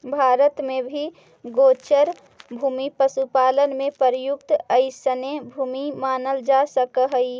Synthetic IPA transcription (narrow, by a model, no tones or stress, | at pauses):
bʱaːɾət̪mẽbʱi | ɡoːt͡ʃəɾ | bʱuːmipəsupaːlənmẽpəɾjʊkt̪əɪsənebʱuːmimaːnəld͡ʒasəkəɦəi